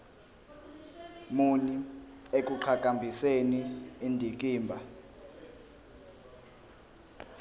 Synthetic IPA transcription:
muni | ek̬ʼuǃʰakʼambʱiseniindʱik̬ʼiːmbʱa

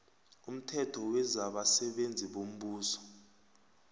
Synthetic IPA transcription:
um̩tʰɛtʰɔwɛzaɓasɛɓend͡zʱiɓom̩ɓuːsɔ̥

